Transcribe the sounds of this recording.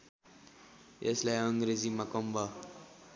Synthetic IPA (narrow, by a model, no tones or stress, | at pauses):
eslajʌŋɡɾed͡zimakʌmbʱʌ